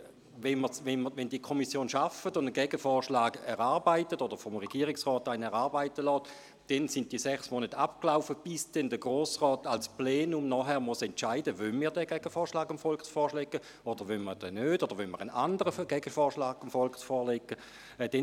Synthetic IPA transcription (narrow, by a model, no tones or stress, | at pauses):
ʋɛnməsʋɛnməʋɛndiəkʰɔmisjoːnʃafətʊndənɡɛɡəfɔːʁʃlaːɡɛʁaːɐbaɪtətod̥əʁfɔmʁɛɡiːʁɪksʁɔːtaɪnɛʁaːʁbaɪtəlɔːt | d̥ɛnsɪnt̚d̥iəsɛχsmoːnətapklaʊfəb̥ɪsd̥ɛndəɡʁoːsʁɔːtalsplɛːnumnɔːχɛʁmɔsɛntt͡ʃaɪdəʋœnmiːʁdɛɡ̥ɛɡ̥əfɔːʁʃlaːɡəmfɔlksfɔːʃlɛɡə | od̥əʁʋœnməd̥ɛnøːtod̥əʁʋønməʁənandəʁəɡ̥ɛɡ̥əfɔːʁʃlaːɡamfɔlksfɔːɐlɛɡːə | d̥ɛ